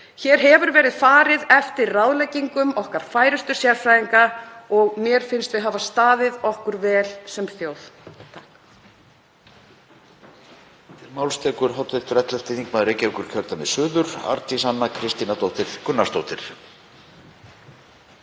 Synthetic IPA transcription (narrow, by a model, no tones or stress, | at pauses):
çɛːɾ̥ɦɛvʏɾvɛːɾɪðfaːɾɪðɛft̪ɪɾrawðlɛjcːiŋkʏmɔhkaɾ̥faːjɾʏst̪ʏ̥sjaɾfɾaiŋkaɔɣmjɛɾ̥fɪnst̪vɪðɦaːvast̪aːðɪðɔhkʏɾvɛːlsɛmθjowθt̪ʰahk | t̪ɪɾmaːwlst̪ʰɛːkʏɾ̥ɦawt̪ɪt̪ʏɾɛt̪lɛ̥t̪ɪθiŋkmaðɾeːjcaikʏɾ̥çʰœlt̪amɛðsʏːðʏɾ̥a̰ɾt̪isanːakʰɾɪst̪inat̪owht̪ɪɾ̥kʏnːast̪owht̪ɪɾ̥